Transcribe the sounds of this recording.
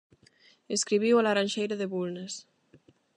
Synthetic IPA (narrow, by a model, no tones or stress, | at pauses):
eskɾiβ̞iwalaɾanʲʃejɾaðeβulnes